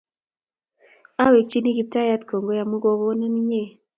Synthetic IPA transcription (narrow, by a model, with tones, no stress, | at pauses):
a˦we˨k̚t͡ʃi˦ni˦ɡi˦p̚ta˦ja˦tko˨ŋɡo˦ja˨mu˦ɡo˦ɣo˦na˦ni˦ɲe˦˨